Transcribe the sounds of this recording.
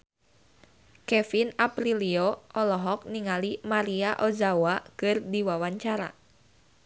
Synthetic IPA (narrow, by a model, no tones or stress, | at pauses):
kɛfinapɾiliɔʔɔlɔɦɔk̚niŋalimaɾiaʔɔzawakɨrdiwawaɲt͡ʃaɾa̰